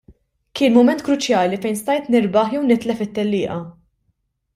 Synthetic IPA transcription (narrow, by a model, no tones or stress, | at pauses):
kɪːnmʊmɛnt̪̚kɾʊt͡ʃjɐːlifɛjnst̪ɐjt̪nɪɾbɐħjɛwnɪt̪lɛfɪt̪ːɛlːɪːʔɐ